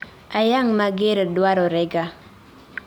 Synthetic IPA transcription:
ajaŋmaɡeɾdwaɾɔɾɛɡa

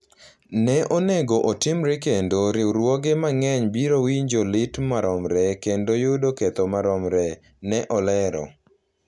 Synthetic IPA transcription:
nɛʔoneɡoʔotɪmɾekendoɾɪɾwɔɡemaŋɛɲbiɾowiɲd͡ʒolɪtmaɾɔmɾɛkendojʊdoket̪omaɾɔmɾɛ | nɛʔɔlɛɾɔ̰

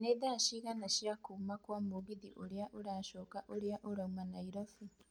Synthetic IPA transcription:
neðaʃiɣanaʃjakumakwamoːɡiðiʔoɾjaʔoɾaːʃoːkaʔoɾjaʔoɾaumanaiɾofu

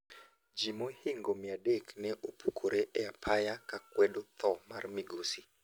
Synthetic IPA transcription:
d͡ʒimohɪŋɡomɪadeknɛʔopukʰoɾeʔɛapʰajakakwɛdot̪ɔmarmɪɡosi

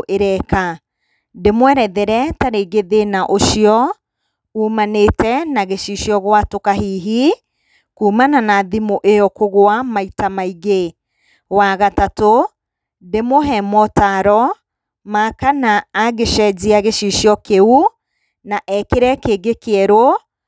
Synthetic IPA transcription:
ʔeɾɛka | demwɛɾɛðeɾɛtaɾeɡeðenaʔoʃiɔ | uːmanetɛnaɣeʃiʃjɔɣwatokaɦiːɦi | kuːmananaðimoʔejɔkoɣwamaitamaiɣe | waɣatato | demoɦɛmɔtaɾɔ | makanaːɣeʃɛd͡ʑiaɣeʃiʃjɔkeu | naʔɛkeɾɛkeɡekeɛɾɔ

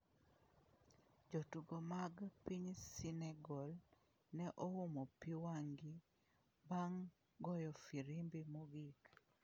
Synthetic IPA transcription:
d͡ʒotuɡomaɡpiɲsinɛɡɔl | nɛʔoumopiwaŋɡi | baŋ | ɡɔjɔfiɾimbimuɡik

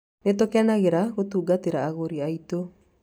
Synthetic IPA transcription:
netokɛnaɣeɾaɣotuːɡateɾaːɣoɾiaito

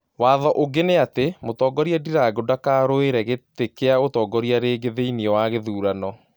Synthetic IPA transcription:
waːðɔʔoɡeneatemotɔːɡɔɾiadiɾaɡodakaːɾoeɾɛɣetekeaotɔːɡɔɾiaɾeɡeðeiniɔwaɣeðuːɾanɔ

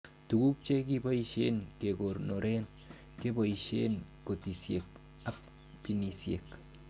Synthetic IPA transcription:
t̪uɡup̚t͡ʃekipaiʃeːnkekoɾnoɾʔen | kebaiʃḛnkot̪isjek̚ | apː | inisjḛk

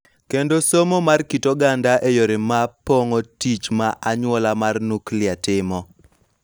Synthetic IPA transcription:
kendosomomarkitoɡandaʔejoɾɪmapoŋotit͡ʃmaʔaɲwɔlamarnuklɪatɪmɔ

